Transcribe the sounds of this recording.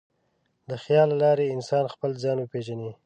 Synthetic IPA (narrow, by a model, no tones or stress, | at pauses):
d̪əxjɑlːalɑɾeɪnsɑnxpəlzɑnwəpeʒani